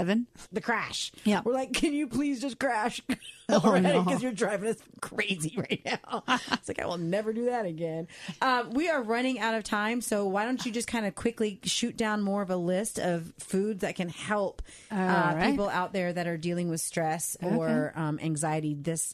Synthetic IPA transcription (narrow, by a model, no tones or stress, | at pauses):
ɛvɨ̃nðɨkʰɹ̥æʃjwəɹlaɪkʰːɨ̃njɨpʰl̥izd͡ʒʌskʰɹ̥æʃlˠɹaɪkkʌzjə˞dɹaɪvɪ̃ɨskʰɹ̥eɪziɹaɪtⁿnaʊɪtslaɪka̰ɪwɪlˠnɛvə˞dɨðɨɾɨɡɛ̃nʔʌ̃mwiə˞ɹʌñɪ̃ŋaʊɾʌv̥tʰãɪ̃msoʊwaɪɾõʊ̃nt͡ʃɨd͡ʒʌskʰãɪ̃ndɨkʰw̥ɪkliʃʉt̚d̥ãʊ̃nmɔɹʌvəlɪstʌv̥fʉdzðɨt̚kʰɨ̃nhɛlˠp | ʌpipl̩ˠa̰ʊt̪̚ðə˞ðɨɾə˞dilˠɪ̃ŋwɨð̥stɹ̥ɛsə˞ʌ̃mʔæ̰̃ŋzaɪɨɾiðɪs